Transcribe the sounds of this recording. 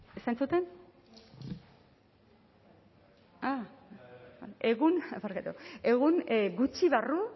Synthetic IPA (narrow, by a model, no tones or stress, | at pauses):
esajnt͡sut̪e̞n | a | ʔe̞ɣunpaɾkat̪ue̞ɣunɡut͡ʃiβaru